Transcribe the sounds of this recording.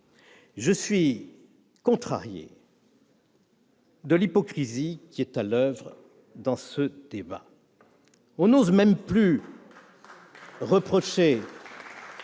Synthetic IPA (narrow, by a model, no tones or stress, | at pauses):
ʒəsɥi | kɔ̃t̪χa̰ʁjḛ | d̪əlipɔkχizikʲiɛt̪alœvʁ | d̪ɑ̃səd̪eba̰ | ɔ̃nozmɛmply | ʁəpχɔʃe